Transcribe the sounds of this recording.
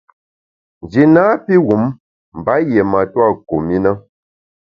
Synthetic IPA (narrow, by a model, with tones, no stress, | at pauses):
n̩˨d͡ʒi˨naː˦pi˦ɣu˨˦m | m̩˨ba˨˦je˨ma˨twa˦˨ko˨mi˦na˦